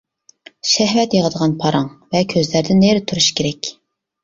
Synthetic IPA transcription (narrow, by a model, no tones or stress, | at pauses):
ʃɛɦvɛt̪jeʁəd̪əʁɑnpʰɑɾɑŋvɛkʲʰøzlæɾd̪ɪneɾɪt̪ʰuɾuʃkʲʰeɾɛkʲ